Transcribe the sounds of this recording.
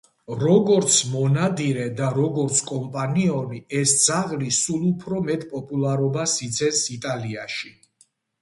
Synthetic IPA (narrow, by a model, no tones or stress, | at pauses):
ɾɔɡɔɾt̪sʰmɔnad̪iɾɛd̪aɾɔɡɔɾt̪sʰkʼɔmpʼaniɔmiɛsd̪z̥aʁlisulˠupʰɾɔmɛt̪ʼpʼɔpʼulˠaɾɔbasit̪sʰɛnsit̪ʼaliaʃi